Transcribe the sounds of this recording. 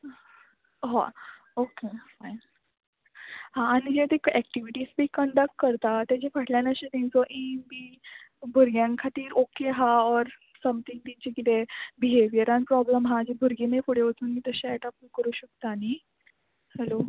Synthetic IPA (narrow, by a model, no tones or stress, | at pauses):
ɦa̰ | okefajn | ɦãːnid͡ʑet̪ekɛk̚ʈiʋiʈiːsbʱiːkəɳɖək̚ʈ̚kəɾt̪at̪jad͡ʑefʰəʈʰljanəɕet̪ẽt͡sɔʔimbibʱuɾɡjãŋkʰat̪iːɾokeɦaɔɾ | səmt̪ʰiŋt̪it͡ɕekit̪ebiɦeʋjəɾãnpɾɔbləmɦãd͡ʑibʱuɾɡenefuɽeʋət̪uːnmit̪əɕɛʈəpnkəɾuːɕək̚t̪aːni | hɛlo